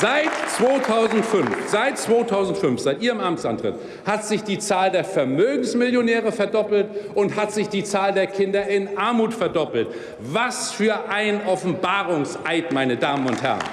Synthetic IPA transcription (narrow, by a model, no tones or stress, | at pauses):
z̥aɪtt͡sv̥oːtʰaʊzn̩tfʏnfz̥aɪt̚t͡sv̥oːtʰaʊzn̩tfʏnfz̥aɪtʔiːʁəmʔamtt͡sʔa̰ntʁ̥ɪ̰t | hatz̥ɪçd̥iːt͡saːldeːɐfɛɐmøːɡŋ̩smɪljonɛːʁ̞əfɛɐdɔpl̩tʔʊnthatz̥ɪçd̥iːt͡saːldeːɐkʰɪndɐʔɪnʔaɐmuːtfɛɐdɔpl̩t | vasfyːɐʔaɪnʔɔfn̩baːʁʊŋsʔaɪtmaɪnədaːmənʊnthɛ̰ɐn